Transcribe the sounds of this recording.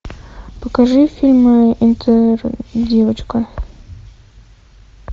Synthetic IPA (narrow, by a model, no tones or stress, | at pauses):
pəkɐʐɨfʲilʲmɨint̪ʰərdʲevət͡ɕkə